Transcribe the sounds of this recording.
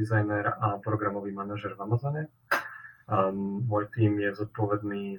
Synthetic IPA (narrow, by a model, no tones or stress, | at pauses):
izajnɛɾapɾɔɡɾamɔʋiːmanaʒɛɾvamazɔɲɛ | mɔːjt̪iːmjɛzɔt̪̚pɔʋɛd̪niː